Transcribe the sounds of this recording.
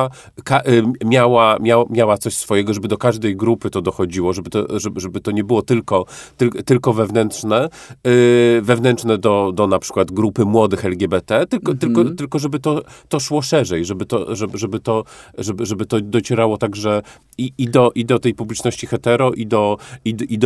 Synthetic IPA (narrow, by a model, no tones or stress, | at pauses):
kaʔmʲjawamʲjawamʲjawat̪sɔɕsfɔjɛɡɔʐɛbɘd̪ɔkaʐd̪ɛjɡɾupɘt̪ɔd̪ɔxɔd͡ʑiwɔʐɛbɘt̪ɔʐɛʐɛbɘt̪ɔɲɛbɘwɔt̪ɘlkɔt̪ɘlt̪ɘlkɔvɛvnɛnt̪ʂnɛ | vɛvnɛnt̪ʂnɛd̪ɔd̪ɔnapʂɘ̥kwad̪ɡɾupɘmwɔd̪ɘxɛlɡʲɛbɛt̪ɛt̪ɘlɔt̪ɘlkɔt̪ɘlkɔʐɛbɘt̪ɔt̪ɔʂwɔʂɛʐɛjʐɛbɘt̪ɔʐɛʐɛbɘt̪ɔʐɛbʐɛbɘt̪ɔd̪ɔt͡ɕɛɾawɔt̪aɡʐɛ | iid̪ɔʔid̪ɔt̪ɛjpublʲit͡ʂnɔɕt͡ɕixɛt̪ɛɾɔʔid̪ɔid̪id̪